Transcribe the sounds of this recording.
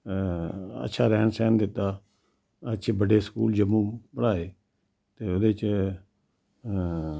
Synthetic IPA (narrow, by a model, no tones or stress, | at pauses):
ə̰tːʃʰaːɾɛːnsɛːnd̪ɪt̪aː | ət͡ʃʰebəɖeːskṵːld͡ʒəmːũːpəɽaːeː | t̪eːʊd̪et͡ʃ